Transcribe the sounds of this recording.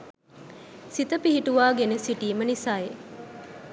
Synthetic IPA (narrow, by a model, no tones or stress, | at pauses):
sit̪əpiɦiʈuʋaːɡenesiʈiːmɐnisaːe